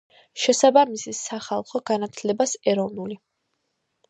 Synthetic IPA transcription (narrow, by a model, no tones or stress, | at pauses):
ʃɛsabamisisaχalˠχɔɡanat̪ʰlɛbasɛɾɔvnuli